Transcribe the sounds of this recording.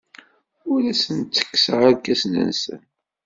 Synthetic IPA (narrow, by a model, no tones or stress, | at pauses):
ʊɾæsənt͡sːə̥kːsəʁaɾkːæsnə̰nsə̰n